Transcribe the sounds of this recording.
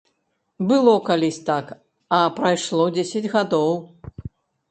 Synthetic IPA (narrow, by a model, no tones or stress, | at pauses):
bɨlˠɔkalʲisʲt̪ak | ɐpɾajʂlˠɔd͡zʲesʲɐd͡zʲɣad̪ɔw